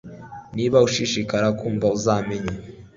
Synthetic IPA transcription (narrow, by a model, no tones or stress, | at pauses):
niːβauʃiʃikaɾakuːmbauzaːmeɲa